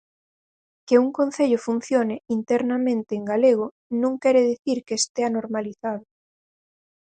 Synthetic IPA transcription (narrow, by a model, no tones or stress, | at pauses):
keuŋkonθeʎʊfun̟θjoneint̪ɛɾnamẽnt̪eːŋɡaleɣ̞o | nõŋkɛɾeðiθiɾkeːst̪eanoɾmaliθaðʊ